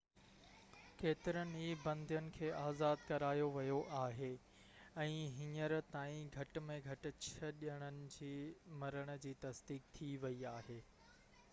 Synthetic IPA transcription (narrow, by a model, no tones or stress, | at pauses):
keːt̪ɪɾənɪ̆iːbɐ̃nd̪ʱijənɪ̆kʰeːʔaːzaːd̪̚kɐɾaːjoʋɐjoʔaːɦe | ɛ̃ːɦɪɲəɾt̪aːĩɡʱɐʈ̆mẽɡʱɐʈɪ̆t͡ɕʰɐɗəɽ̃ənɪ̆d͡ʑiːmɐɾəɽ̃ʊ̆d͡ʑiːt̪ɐsd̪iːk̚t̪ʰiʋɐiaːɦeː